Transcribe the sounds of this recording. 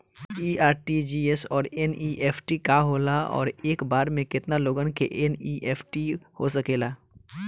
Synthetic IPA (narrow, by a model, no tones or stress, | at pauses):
iːaːɾʈid͡ʒiːɛsɔːɾɛniːʔeːpʰʈikaɦoːlaɔ̰ːɾeːkbaːɾmẽkɪt̪naloːɡənkḛʔeniːʔeːpʰʈihosɐkeːlaː